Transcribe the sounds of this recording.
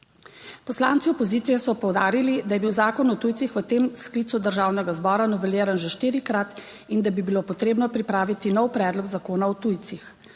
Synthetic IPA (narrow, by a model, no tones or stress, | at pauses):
pɔslaːnt̪siɔpɔziːt̪sijɛsɔpɔwd̪aːɾilid̪ajɛbiwzaːkɔnɔt̪uj̪sixʋət̪eːmskliːt̪sud̪əɾʒaːwnɛɡazbɔːɾanɔʋɛljeːɾanʒɛʃt̪iːɾikɾat̪ | ind̪abibiloːpɔt̪ɾeːbnɔpɾipɾaːʋit̪inɔwpɾɛːd̪lɔɡzakoːnaɔt̪ujt̪six